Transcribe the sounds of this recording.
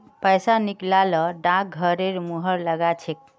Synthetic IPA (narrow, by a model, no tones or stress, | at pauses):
pəjsaniklalɔɖãk̚ɡʱəɾeɾmuɦəɾləɡat͡ʃʰek̚